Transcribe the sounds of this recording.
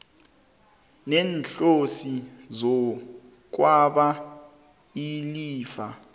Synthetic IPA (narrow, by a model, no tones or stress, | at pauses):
nɛːnɬosizɔ | k̬waɓa | iliːfa